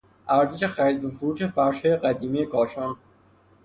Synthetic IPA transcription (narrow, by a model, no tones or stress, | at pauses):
ʔæɾzeʃexæɾid̪̚befoɾuːʃe̞fæɾʃhɒːjeɢæd̪iːmijekʰɒːʃɒːn